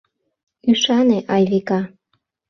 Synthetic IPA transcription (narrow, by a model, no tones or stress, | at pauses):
yʃɑneʔɑjβekɑ